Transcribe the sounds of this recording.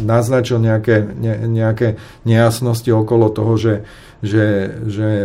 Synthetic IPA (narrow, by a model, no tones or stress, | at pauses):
naznat͡ʃilɲɛakɛɲɛɲɛakɛ | ɲɛjasnɔsciɔkɔlɔt̪ɔɦɔʒɛ | ʒɛʒɛ